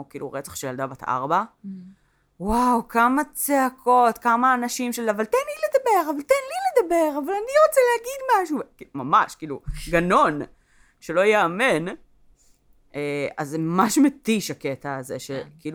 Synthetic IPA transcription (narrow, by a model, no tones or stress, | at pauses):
kḭːlṵʁet͡sḁχʃejald̪abat̪ʔa̰ʁba | wawkamat͡seakʰo̞t̪kamaːnaʃimʃelavalt̪enliled̪abe̞ʁavalt̪enliled̪abe̞ʁavalaniʁot͡sɛlehaɡid̪maʃukimamaʃkiːluɡano̞n | ʃelo̞jeamen | ʔeazemamaʃmet̪iʃaket̪aːzḛʃekiːlu